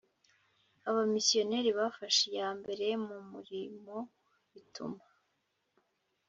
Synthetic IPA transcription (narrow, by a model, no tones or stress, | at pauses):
aβamisijo̞ne̞ɾiβafaʃejaːmbe̞ɾe̞mumuɾimo̞ | βitʰṵmḁ